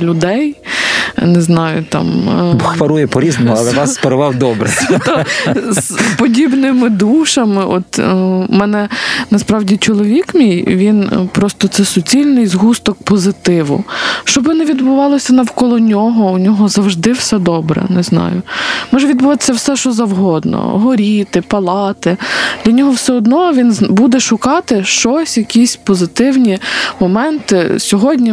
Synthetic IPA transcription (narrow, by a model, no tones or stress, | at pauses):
lʲʊd̪ɛj | neznɑjʊt̪ɑ̰mxʋɐɾujɛpɔɾʲiznɔmʊɐlˠɛnasːpɐɾʊʋɑwd̪ɔbɾɛ̰t̪ | pɔdʲibnɪmɪd̪uʃɐmɪʔɔt̪mɛnɛnɐspɾɑwdʲit͡ʃɔlˠɔʋʲikmʲijʋʲinpɾɔst̪ɔt̪sɛsʊt͡sʲilʲnɪjzɦust̪ɔk̚pɔzɪt̪ɪʋʊ̰ʃt͡ʃɔbɪnɛʋʲid̪bʊʋɑlˠɔsʲɐnɐwkɔlˠɔnʲɔɦɔunʲɔɦɔzɐwʒd̪ɪwsɛd̪ɔbɾɛ̰nɛznɑ̰jʊ̰mɔʒɛʋʲid̪̚bʊʋɑt̪ɪ̥sʲɐwsɛʃɔzɐwɦɔd̪nɔ̰ɦɔɾʲit̪ɪpɐlˠɑt̪ɪd̪̥lʲɐnʲɔɦɔwsɛɔd̪nɔʋʲinbud̪ɛʃʊkɑt̪ɪʃt͡ʃɔsʲjɐkʲisʲpɔzɪt̪ɪwnʲimɔmɛnt̪ɪsʲɔɦɔdʲnʲi